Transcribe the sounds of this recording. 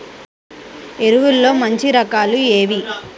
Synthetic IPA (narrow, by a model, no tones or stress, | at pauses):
e̞ɾuʋulːo̞ːmɐɲt͡ʃiɾɐkaːlue̞ːʋi